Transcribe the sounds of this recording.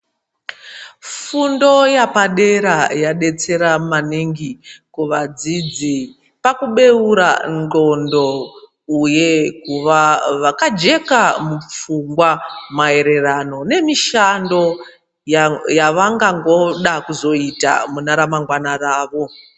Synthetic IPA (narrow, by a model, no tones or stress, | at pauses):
fundo̞japaɗe̞ɾajaɗe̞t͡se̞ɾamaniŋɡikuʋad͡zid͡zi | pakuɓe̞uɾa̰nɡo̞ndo̞ | ujekuʋaʋakad͡ʒe̞kamup͡fuŋɡwamae̞ɾe̞rano̞ne̞miʃando̞ | jaʋaŋɡaŋɡo̞ɗakuzo̞ita̰munaɾamaŋɡwanaraːʋo̞